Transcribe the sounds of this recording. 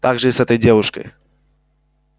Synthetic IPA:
t̪aɡʐɛjsɛt̪ɛjd͡ʑɛwuʂkə̰

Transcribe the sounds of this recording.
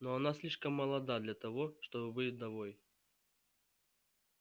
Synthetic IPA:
noɐnasʲlʲiʂkəmːɐlˠɐd̪ad̪lʲɐt̪ɐvoʂt̪obɨbɨlʲd̪ɐvoj

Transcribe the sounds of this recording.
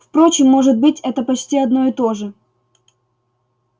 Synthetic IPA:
fpɾo̞t͡ɕɪmːo̞ʐɨt̪̚bɨtʲɛt̪əpɐt͡ɕtʲiɐd̪no̞ɪt̪o̞ʐɨ

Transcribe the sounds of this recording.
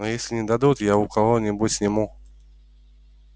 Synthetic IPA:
nojesʲlʲɪnʲɪd̪ad̪ut̪jaʊkʰɐvonʲɪbutʲsʲnʲɪmu

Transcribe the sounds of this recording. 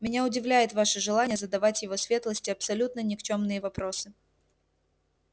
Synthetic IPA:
mʲɪnʲaʊdʲɪvlʲæjʊt̪vaʂɨʐɨlˠanʲɪjəzəd̪ɐvatʲjɪvo̞sʲvʲe̞t̪lˠəsʲtʲɪɐpsɐlʲut̪nənʲɪkt͡ɕomnɨjəvɐpɾo̞sɨ

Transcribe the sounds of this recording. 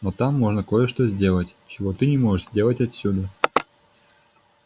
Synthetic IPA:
not̪ɑmːoʐnəkojəʂt̪ozʲdʲe̞lˠətʲt͡ɕɪvot̪ɨnʲɪmoʐɨʃzʲdʲelˠətʲɐt̪sʲːud̪ə

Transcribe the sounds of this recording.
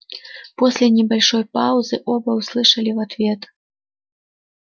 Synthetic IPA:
pɔsʲlʲɐnʲɛbalʲʂɔjpawzɨʔɔbɐwslˠɨʂɐlʲiwat̪vʲɛt̪

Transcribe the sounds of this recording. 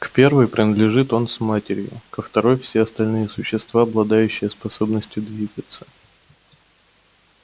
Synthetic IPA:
kpʲe̞rvɨjpɾʲɪnəd̪lʲɪʐɨt̪o̞nsmatʲɪɾʲjʊ̰kəft̪ɐɾo̞jfsʲeɐst̪ɐlʲnɨjəsʊɕːɪst̪vaɐblˠɐd̪ajʉɕːɪjəspɐso̞bnəsʲtʲʊd̪vʲiɡət̪sə̥

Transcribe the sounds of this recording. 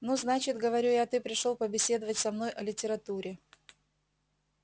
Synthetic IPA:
nuznat͡ɕɪt̪ɡəvɐɾʲujat̪ɨpɾʲɪʂolˠpəbʲɪsʲe̞d̪əvətʲsɐmno̞jʔɐlʲɪtʲɪɾɐt̪uɾʲɪ

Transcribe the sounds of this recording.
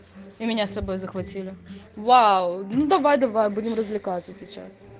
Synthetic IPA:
imʲɪnʲast̪ɐbo̞jzəxvɐtʲilʲɪvawʊnud̪ɐvajd̪ɐvajbudʲɪmrəzʲvlʲɪkat̪səsʲɪt͡ɕa̰s

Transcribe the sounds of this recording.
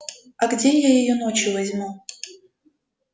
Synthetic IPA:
ɐɡdʲe̞jajɪjono̞t͡ɕjʊvɐzʲmu

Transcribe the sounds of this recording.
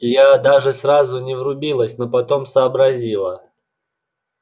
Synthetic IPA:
jad̪aʐɨsrazʊnʲɪvrʊbʲilˠəsʲnopɐt̪o̞msəːbɾɐzʲilˠə

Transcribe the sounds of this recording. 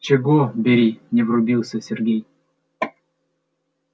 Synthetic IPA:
t͡ɕɪɡɔbʲeɾʲinʲɪvɾʊbʲilˠsʲəsʲɪrɡʲej

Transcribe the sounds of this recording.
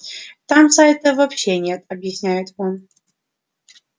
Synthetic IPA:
t̪amsajt̪əvɐpɕːenʲet̪ɐbjɪsʲnʲæjɪt̪on

